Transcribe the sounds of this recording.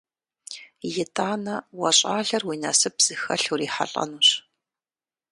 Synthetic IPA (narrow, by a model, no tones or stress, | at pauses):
jɪtʰʼaːnɐwɐɕʼaːɮɐrwiːnɐsɨbz̥ɨxɐɬuriːħa̰ɬʼɐ̰nuːɕ